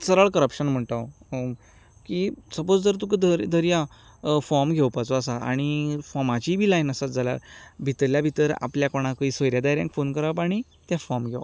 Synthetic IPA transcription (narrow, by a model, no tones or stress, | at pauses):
səɾəɭkəɾəpɕənm̤əɳʈ̪əʋ | kisəpod͡zd͡zəɾt̪̬ukd̪əɾd̪ʱəɾjã | fɔɾmɡʱewpat͡soəsaa̰ɽ̃ifɔmat͡ɕiːbʱiːlajnəsad͡zala̰ɾbʱit̪əɾljabʱit̪əɾa̰pljakoɽ̃ãkəisʋəjɾjad̪ajɾjãŋkfonkəɾaʋpaɽ̃i | t̪jafɔɾmɡʱeʋ